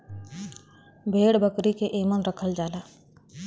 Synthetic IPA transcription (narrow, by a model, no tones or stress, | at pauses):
bʱeːɽbəkɾikeʔeːmənɾəkʰəld͡ʒaːlaː